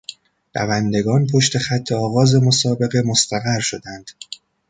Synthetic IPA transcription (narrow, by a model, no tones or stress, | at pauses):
dæ̰vænd̪e̞ɡɒːnpʰo̞ʃt̪e̞xæt̪ʰːeɒːɣɒːze̞mo̞sɒːbe̞ɣe̞most̪æɣæɾʃo̞d̪ænd̪̥